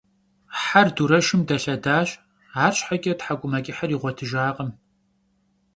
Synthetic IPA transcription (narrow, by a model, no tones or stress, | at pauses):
ħarduɾɐʃɪmdɐɬɐdaːɕʼ | aːrɕʼħaɡʲʼɐtħaɡʷʼʊmɐkʲʼɪħariːʁʷɔtʰɨʒaːqʼəm